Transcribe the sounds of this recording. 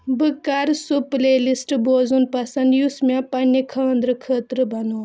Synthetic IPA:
bɨkaɾsuplelisʈboːzunpɐsɐnd̪jusmʲãpɐnːikʰɐːənd̪ɾəkʰəːt̪ɾɨbɐnoː

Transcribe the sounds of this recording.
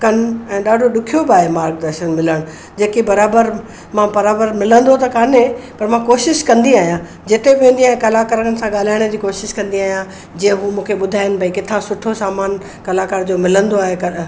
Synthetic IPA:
kɐnɛ̃ːɗaːɖʱoɗʊkʰijobaːɦemaːɾk̚d̪ɐɾʃənmɪləɽ̃ | d͡ʑeːkibɐɾaːbəɾ | mãbɐɾaːbəɾmɪlə̃nd̪ot̪ɐkaːnẽpɐɾmãkoːʃɪʃkɐ̃nd̪iaːɦijã | d͡ʑɪt̪ebɪʋẽːnd̪iaːɦẽkɐlakaːɾəənɪ̆sãɠaːl̤aːɪɽ̃d͡ʑiːkoːʃɪʃkɐ̃nd̪iaːɦijã | d͡ʑĩːə̃ɦumũːkʰeɓʊd̪ʱaːɪnɪ̆bʱɐĩkɪt̪ʰãsʊʈʰosaːmaːn | kɐlaːkaːɾd͡ʑoːmɪlə̃nd̪oaːɦekɐ

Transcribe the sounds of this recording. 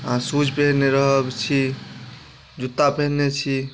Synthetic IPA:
ãsud͡ʒʰʱbʱeneɾəɦəbt͡ʃʰi | d͡ʒut̪ːapenet͡ʃʰi

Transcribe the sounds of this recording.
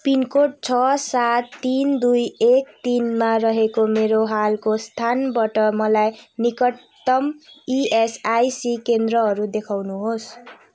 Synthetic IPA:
pinkoʈ̚t͡sʰʌsat̪ːind̪ujek̚t̪inmarʌɦekomeɾoɦalkost̪ʰanbʌʈʌmʌlajnikʌt̪ː | ʌmiesajsikend̪ɾʌɦʌɾud̪ekʰawnuɦos

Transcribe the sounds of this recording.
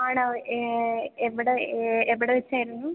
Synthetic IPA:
aːɳɐ | eʋːiɽeeʋiɽeʋet͡ɕːaːjiɾunːu

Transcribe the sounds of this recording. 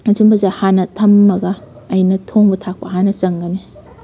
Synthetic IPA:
ɐd͡ʒumbɐzahanɐtʰɐmːɐɡɐː | jnɐtʰoŋbɐtʰak̚pɐɦanɐsɐŋɡɐne

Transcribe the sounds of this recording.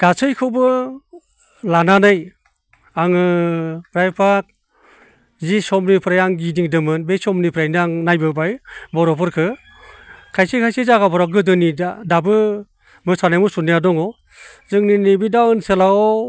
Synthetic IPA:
ɡ̥asʰɯjkʰɯwbɯ | lananɯj | aŋɯpɾajpʰak̚ | zisɔmnipʰɯɾajaŋɡidiŋdɯmɯnbesɔmnipʰɾajnaŋnajbɯbajbɔɾɔpʰɯɾkʰɯ | kʰajsikʰajsɯzaɡabɔɾaɡɯdɯniadabɯ | mɯsanajmusunijadɔŋɔ | zɯŋninibidawɯnsɯlaɔ

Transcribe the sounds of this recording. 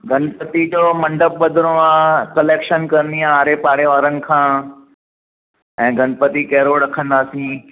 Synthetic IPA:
ɡʱɐnpət̪id͡ʑomɐ̃ɳɖəp̚bɐd̪ʱɪɾoãkɐleːkʃənkɐɾniãaːɾepaːɽeʋaːɾənɪ̆kʰãː | ɛ̃ːɡʱɐnpət̪ikɐɦɪɾoɾɐkʰə̃nd̪aːsĩː

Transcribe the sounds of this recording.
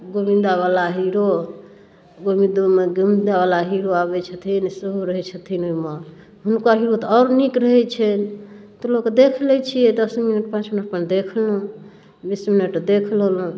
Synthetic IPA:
ɡobĩnd̪aβalaɦiɾo | ɡomid̪umeɡomind̪aβalaɦiɾoaβɛt͡ʃʰət̪ʰinseɦoɾəɦɛt͡ʃʰət̪ʰinoime | ɦunkaɦiɾot̪ɔɾnikɾəɦɛt͡ʃʰɛnt̪olokd̪ekʰlɛt͡ʃʰijɛd̪əsminəʈpãt͡ʃminəʈ̚pənd̪ekʰlɦũ | bisminəʈd̪ekʰləlũ

